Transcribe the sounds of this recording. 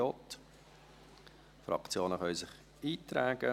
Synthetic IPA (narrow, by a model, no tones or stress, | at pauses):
ɔt̪ | fɾɑ̰kt͡sjoːnəχœʏsɪχ | iːtɾɛæːɡ̥ə